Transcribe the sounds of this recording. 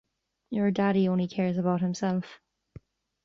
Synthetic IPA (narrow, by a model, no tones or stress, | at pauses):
jə˞daɾiõʊ̃nlikʰɛːɹzəbaʊt̚hɪ̃msɛlˠf